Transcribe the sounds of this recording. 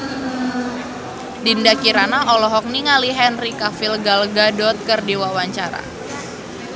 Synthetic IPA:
dindakiɾanaʔɔlɔɦɔk̚niŋaliɦɛnrikafilɡalɡadɔt̪̚kɨrdiwawaɲt͡ʃaɾa̰

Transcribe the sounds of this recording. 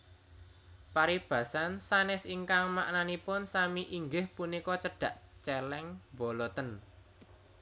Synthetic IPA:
paɾib̥ä̤sansanɪsiŋkaŋma̰ʔnanipʊnsamiʔiŋɡɪhpunikɔt͡ʃəɖ̥ä̤ʔt͡ʃɛlɛŋbɔlɔt̪ən

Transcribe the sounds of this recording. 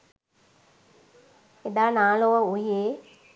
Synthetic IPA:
ed̪aːnaːloʋəujeː

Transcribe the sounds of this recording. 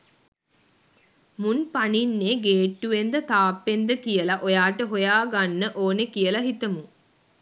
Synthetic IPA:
munpaninːeːɡeːʈːuʋend̪ət̪aːpːend̪əkijəlaʔojaːʈəɦojaːɡanːəʔoːnəkijəlaɦit̪əmu

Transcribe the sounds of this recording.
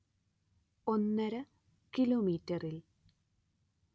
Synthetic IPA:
onːɐɾɐ | kiloːmiːtːɐril

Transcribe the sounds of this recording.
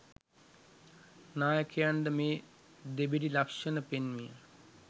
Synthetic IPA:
naːjəkʰəjand̪əmeː | d̪ebiɖilakʂənəpenmijə̰

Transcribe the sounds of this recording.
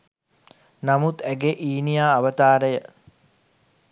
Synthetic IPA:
namut̪æɡeʔiːnijaːʋət̪aːɾəjə

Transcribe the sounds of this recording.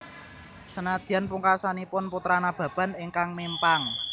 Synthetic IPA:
sənad̪̥i̤anpuŋkasanipʊnput̪ɾanab̥ä̤b̥a̤nɪŋkaŋmempaŋ

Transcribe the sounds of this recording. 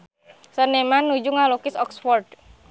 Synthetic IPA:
sənemanːud͡ʒuŋalokɪsɔksfɔrd̥

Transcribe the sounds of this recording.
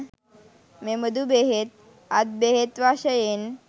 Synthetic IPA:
meməd̪ubeɦet̪̚ | ad̪̚beɦet̪ʋaɕəjen

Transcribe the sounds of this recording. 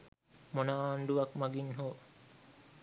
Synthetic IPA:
monaːnɖuʋakmaɡinɦoː

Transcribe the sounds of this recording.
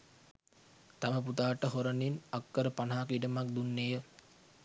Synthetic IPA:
t̪aməput̪aːʈəɦoɾəninakːəɾəpanɦaːkiɖəmak̚d̪unːejə

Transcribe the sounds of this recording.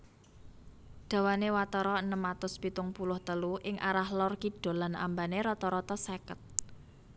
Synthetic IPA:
ɖ̪̥a̤wanewat̪ɔɾɔənəmat̪ʊspit̪ʊŋpulʊht̪əluʔɪŋʔaɾahlɔrkiɖ̥o̤lana̰mbaneɾɔt̪ɔɾɔt̪ɔsekət̪̚

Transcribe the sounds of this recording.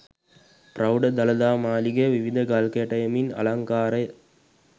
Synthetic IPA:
pɾɐwɖɐd̪ɐlɐd̪aːmaːliɡeʋiʋid̪ʱɐɡɐlkɐjʈɐjɐminɐ̰lɐŋkaːɾɐj

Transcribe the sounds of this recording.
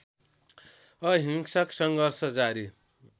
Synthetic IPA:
ʌɦiŋsʌksʌŋɡʌrsʌd͡zaɾi

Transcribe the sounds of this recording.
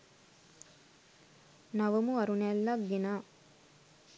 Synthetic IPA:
naʋəmuɐɾunɛlːaɡɡenaː

